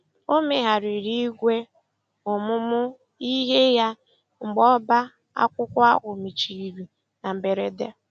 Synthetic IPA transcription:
o˦me˨ɦa˨ɾɪ˨ɾi˦ɡʷe˦ | ʊ˨mʊ˦mʊ˦ | i˦ɦe˦ja˦ | ŋ͡m̩˨ɡ͡bɔ˦ba˦ | a̰˦kʷʊ˦kʷʊ˦a̰˦ɣʊ˨mi˨t͡ʃi˨i˨ɾi˨ | na˨m̩˨be˨ɾe˦de˦

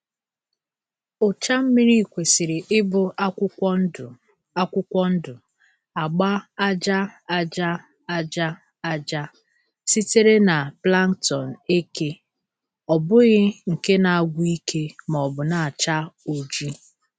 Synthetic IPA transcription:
ʊ˨t͡ʃa˦m̩˦mi˦ɾi˦˨kʷe˨si˨ɾɪ˨ʔɪ˦bʊ˦˨ | a˦kʷʊ˦kʷɔ˦n̩˦dʊ˨ | a˨ɡ͡ba˦a˦d͡ʒa˦a˦d͡ʒa˦ | a˦d͡ʒa˦ | a˦d͡ʒa˦ | si˦te˦ɾe˦na˨pla˦ŋtɔ˨n̩˨e˦ke˦ | ɔ˨bʊ˦ɣɪ˦ŋ̩˨ke˦na˨a˨ɡʷu˦i˦kʰe˦mɔ˨bʊ˨na˨a˨t͡ʃa˦o˨d͡ʒi˦

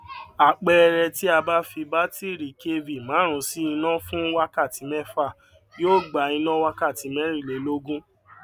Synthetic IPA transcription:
a˨k͡pɛ˦˧ɾɛ˧ti˦a˧ba˦fi˧ba˦ti˦˨ɾi˨ke˦vi˨mãː˨˦ɾ̃ũ˨˧si˦i˧nã˦fũ˦wa˧ka˦˨ti˨˦mɛ˦fa˦˨ | joː˦˨ɡ͡ba˨˦i˧nã˦wa˧ka˦˨ti˨˦mɛ˦ɾ̃ĩ˦˨le˨˦lo˦ɡũ˦

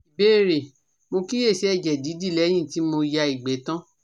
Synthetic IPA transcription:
i˨be˦˨ɾe˨ | mo˧ki˦je˦˨ʃɛ˨˦ɛ˦˨d͡ʒɛ˨di˨˦di˦˨lɛ˨˦j̃ĩ˦˨ti˨˦mo˧ja˧i˨ɡ͡bɛ˨˦tã˦

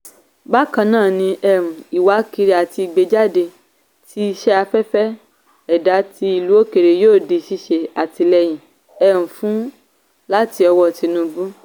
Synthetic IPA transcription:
ba˦kã˧nãː˦˨nĩ˧ʔɛ˧ɾũ˨i˨wa˨˦ki˧ɾi˧˦a˨ti˧i˧˨ɡ͡be˧d͡ʒa˦de˧ | ti˦i˧ʃɛ˦a˧fɛ˦fɛ˦ | ɛ˨da˨˦ti˧i˧˨lu˦o˦ke˨ɾe˨joː˦˨de˧˨ʃi˧ʃe˨a˨ti˧lɛ˧j̃ĩ˨ | ɛ˧ɾũ˨fũ˦ | la˦ti˧ɔ˧wɔ˧˨ti˨˧nũ˧˦bu˦

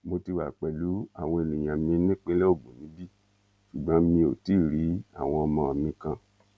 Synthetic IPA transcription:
mo˧ti˧wa˨k͡pɛ˨lu˨˦a̰˦˨w̃ɔ̃˧e˨lũ˨j̃ã˨mĩ˧˦nĩ˦k͡pe˦lɛ˦o˦˨ɡ͡bõ˨nĩ˨˦bi˦ | ʃu˨ɡ͡bɔ̃˨˦mĩ˧o˨ti˨˦˨ɾi˨˦a̰˦˨w̃ɔ̃˧mã˧˦a˨mĩ˧kã˧˨

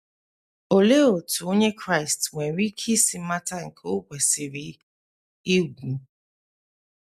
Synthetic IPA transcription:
o˨le˦o˨tu˨o˦ɲe˦kɾa˦ɪ˨stwe˨˦ɾi˦kʰi˦si˨m̩˦ma˦ta˦ŋ̩˨kʰe˦o˦ɡʷe˨si˨ɾi˦ | i˦ɡʷu˨

